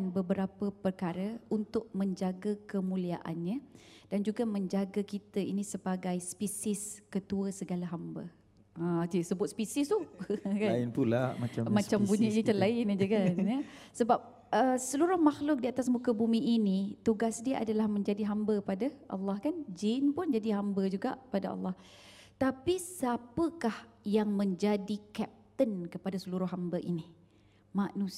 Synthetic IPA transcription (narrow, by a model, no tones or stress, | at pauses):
nbəbəɾapəpərkaɾəunt̪ʊʔ̚mə̃ɲd͡ʒaɡəkəmũliaʔa̰nɲə̃ | d̥and͡ʒuɡamə̃ɲd͡ʒaɡəkit̪əinĩsəbaɡajspisɪskət̪uəsəɡalaɦambə̰ | ad͡ʒasəbʊt̪̚spisɪst̪uhkaaɪnpulamat͡ʃamãt͡ʃambuɲəɲət͡ʃəlaɪnad͡ʒəkanjəsəbap̚ | əsəluɾʊhmaxlʊk̚diat̪asmukəbumiʔːnit̪uɡasdiaʔa̰dalahmə̃ɲd͡ʒadiɦambəəpadaʔɑ̰lːɑhkand͡ʒɪnpʊnd͡ʒadiɦambəd͡ʒuɡa̰ʔəpadaʔɑ̰lˠːɑh | t̪apisapəkahjaŋmə̃ɲd͡ʒadikɛp̚t̪ənkəpadasəluɾʊhɦambəʔini | manus